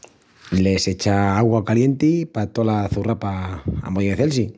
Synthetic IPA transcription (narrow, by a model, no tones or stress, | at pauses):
le̞set͡ʃaaɣwakalje̞nt̪ipat̪olaθurapaa̰moðiβeθels̬i